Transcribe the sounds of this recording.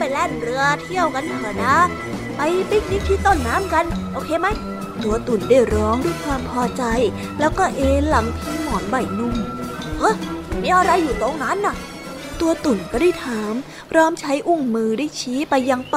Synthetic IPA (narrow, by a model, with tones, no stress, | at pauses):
pa˧˩jlɛː˥˩nɾɯ˧ɐt̪ʰi˥˩əwka˧nʰaː˨˩˦naː˦˥ | pa˧jpi˦˥˩k̚di˦˥˩t̪ʰiː˦˥˩t̪o˥˩nːaː˦˥mka˧nʔoː˧kʰeː˧ma˦˥j | t̪u˧ɐt̪u˨˩ndaː˥˩jɾɔː˦˥ŋdu˥˩əjkʰwaː˧mpʰɔː˧t͡ɕa˧j | lɛː˦˥wkɔː˥˩ʔeː˧la˨˩˦ŋpʰiː˧˥mɔː˨˩˦nba˨˩jnu˧˩mhɤ˦˥˩miː˦˥ʔa˧ɾa˧jːuː˨˩t̪oː˧ŋna˦˥nːa˧˩ | t̪u˧ɐt̪u˨˩nka˧˦da˥˩jt̪ʰaː˩˦m | pʰɾɔː˦˥mt͡ɕʰa˦˥jʔu˥˩ŋmɯː˧da˥˩jt͡ɕʰiː˦˥pa˧jːa˧ŋp